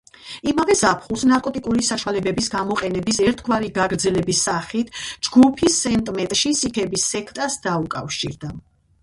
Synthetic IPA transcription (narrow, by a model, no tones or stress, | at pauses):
imavɛzapʰχulˠsnaɾkʼɔt̪ʼikʼuɾisaʃwalɛbɛbisɡamɔqʼɛnɛbisɛɾt̪ʰɡwaɾiɡaɡɾd̪zɛlɛbisaχit̪ʰd͡ʒɡupʰisːɛnt̪ʼmɛt̪ʼʃisikʰɛbisːɛkʰt̪ʼasd̪aukʼa̰fʃḭɾd̪a